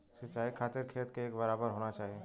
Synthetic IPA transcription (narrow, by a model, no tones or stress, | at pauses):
sɪt͡ʃaːikʰaːt̪ɪɾkʰeːt̪keeːkbɐɾaːbəɾɦoːnat͡ʃaːɦie